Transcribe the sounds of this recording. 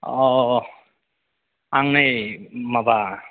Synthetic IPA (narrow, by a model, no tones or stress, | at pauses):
ɔ | aŋnajmaba